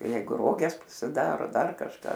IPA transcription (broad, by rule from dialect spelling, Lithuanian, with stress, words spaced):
ˈjɛɪɡʊ ˈroːɡʲɛs pɐsʲɪˈdɑːroː ˈdɐr kɐʃˈkɑː